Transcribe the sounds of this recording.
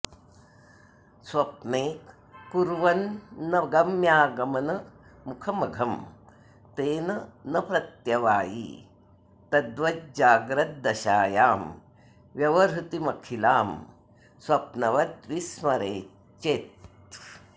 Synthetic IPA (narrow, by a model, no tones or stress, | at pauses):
swɐpneːk | kuɾʋɐnːɐɡɐmjaːɡɐmɐnɐmukʰɐmɐɡʱɐm | t̪eːnɐnɐpɾɐt̪jɐʋaːjḭː | t̪ɐd̪ʋɐt̪̚d͡ʒaːɡɾɐt̪̚d̪ɐʃaːjaːm | ʋjɐʋɐɾɦut̪imɐkʰilaːm | swɐpnɐʋɐt̪ʋismɐɾeː | t͡ʃeːt̪